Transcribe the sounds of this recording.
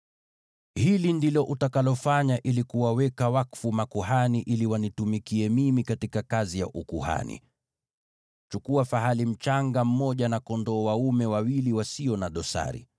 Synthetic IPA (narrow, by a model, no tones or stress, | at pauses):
hilindilɔʔutakalɔfaɲaʔilikuwawɛkawakfumakuhaniʔiliwanitumikiɛmimikatikakazija̰ʔukuha̰nḭ | t͡ʃukuafaɦalim̩t͡ʃaŋɡam̩mɔʄanakɔndɔːwaumɛwawiliwasiɔnaɗɔsa̰ɾḭ